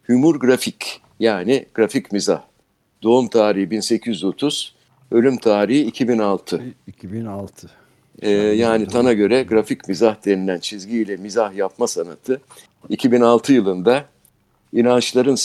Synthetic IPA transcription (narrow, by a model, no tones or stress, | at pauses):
hymuɾɡɾafic | jaːniɡ̥ɾaficmiza̰h | d̪o̞umt̪ʰaːɾiibinse̞cʰizo̞t̪ʰuz̥ | ø̞lʲymt̪ʰaːɾihiːcʰibinalˠt̪ʰɯb̪lˠt̪ʰ | ɛːjaːnit̪ʰanaɟø̞ɾɛɡɾaficmizahd̪e̞nilʲænt͡ʃʰizɟiːlʲɛmizahjap̚masanat̪ʰɯ | icʰibinalˠt̪ʰɯjɯlˠɯnd̪a | inant͡ʃlˠaɾɯn